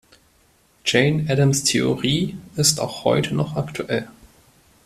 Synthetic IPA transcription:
d͡ʒeɪnɛdəmstʰeoʁiːɪsta̰ʊxhɔ̰ʏtʰənɔχaktʰuʔɛl

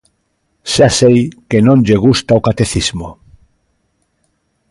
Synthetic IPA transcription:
ʃasejkenõnʎeɣ̞ust̪aokat̪eθizmo

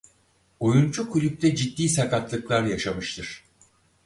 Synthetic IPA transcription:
o̞junt͡ʃukʰulʲyp̚t̪ʰɛd͡ʒid̪ːiːsakat̪lˠɯklˠaɾjaʃamɯʃt̪ʰɯɾ̥

